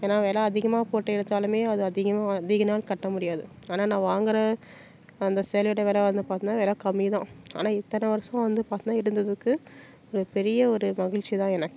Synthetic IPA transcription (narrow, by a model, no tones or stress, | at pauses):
eːnːaːʋeːlɐɐðɪɣɐmaːpoːʈːɐɪɽɐt̪ːaːlɯmeːɐðɯɐðɪɣɐmaːðɪɣɐnaːlkɐʈːɐmʊɽɪjaːðɯ | aːnaːnãːʋaːŋɡɪɾɐ | ɐnd̪ɐsɛːlʋɪɽɐʋeːlɐʋɐnd̪ɯpaːɾt̪nːaːʋeːlɐkɐmːɪt̪ãːa̰ːnaːɪt̪ːɐnɐʋɐɾɐsɐ̃ʋɐnd̪ɯpaːɾt̪ɯnːaːɪɾɯnd̪ɐðɯkːɯ | ɔɾɯpɛɾɪjɐɔɾɯmɐɣɪɭt͡ʃːit̪ãːɛnɐkː